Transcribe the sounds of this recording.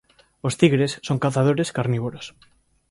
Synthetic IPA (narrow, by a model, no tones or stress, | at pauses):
ost̪iɣɾessːoŋkaθaðoɾeskaɾniβoɾos